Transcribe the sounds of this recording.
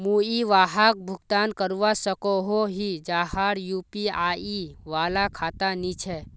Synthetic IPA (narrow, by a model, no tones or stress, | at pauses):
muiʋaɦak̚bʱʊɡt̪ankəɾuʋasəkoɦoɦid͡ʒahaɽjupiaiʋaːlakʰaːt̪anit͡ʃʰɛ